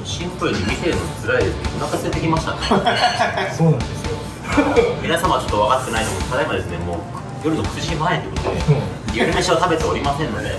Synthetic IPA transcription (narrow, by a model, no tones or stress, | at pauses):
ɕĩmpɯɾɯ̟ɲʲimʲise̞ɾɯnot͡sɨɾaid̪esɨnekonakaset̪ekʲimaɕit̪a̰k̪ | soːnãnd̪esɨjo | mʲinasamaβat͡ɕo̞t̪ːoβakat̪ḁkɯnainokokʰad̪aimad̪esɨnemoː | jo̞ɾɯ̟nokɯ̟̥zɨɕĩmaẽnt̪eikot̪od̪e | joɾɯmeɕiβat̪abe̞t̪eoɾʲimasẽ̞nːo̞d̪e̞̰